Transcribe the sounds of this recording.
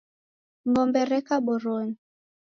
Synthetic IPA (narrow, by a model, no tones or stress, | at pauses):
mbɔmbɛɾɛkabɔɾon